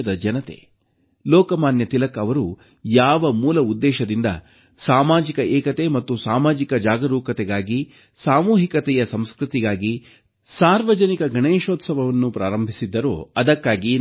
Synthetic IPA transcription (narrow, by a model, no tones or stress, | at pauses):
ɐd̪ɐd͡ʒɐnɐt̪ḛ | lɔːkɐmaːnjɐt̪ilɐkɐʋɐɾu | jaːʋɐmuːlɐud̪ːɛːʃɐd̪ind̪ɐ̰ | saːmaːd͡ʒikɐʔɛːkɐt̪emɐt̪ːusaːmaːd͡ʒikɐd͡ʒaːɡɐɾuːkɐt̪ɛɡaːɡi | saːmuːɦikɐt̪ɛjɐsɐmskɾut̪iɡaːɡi | saːɾʋɐd͡ʒɐnikɐɡʱɐɳeːʃoːt̪sɐʋɐʋɐnːupɾʔaːɾɐmbʱisid̪ːɐɾo̰ːɐd̪ɐkːaːɡi